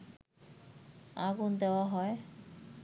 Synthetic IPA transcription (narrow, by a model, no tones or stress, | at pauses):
aɡund̪eoaɦɔe